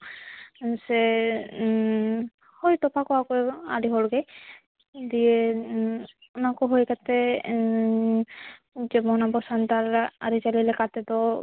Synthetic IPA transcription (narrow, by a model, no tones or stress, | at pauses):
sɛ | hojt̪ɔpakɔakɔa̰ɖiɦɔlɡej | d̪ie | ɔnakɔɦojkat̪ɛ | d͡ʒɛbɔnabɔsant̪aɾa̰ɾit͡ʃalilɛkat̪ɛd̪ɔ